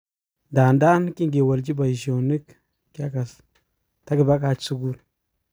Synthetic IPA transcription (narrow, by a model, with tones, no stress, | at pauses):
da˨nda˦n˦ki˦ŋɡe˨wa˨ld͡ʒi˦ba˨i˨ʒo˨wni˦k | ka˦ka˨s | ta˦ɡə˨ba˦ka˨t͡ʃt͡su˦ɡu˦ɾ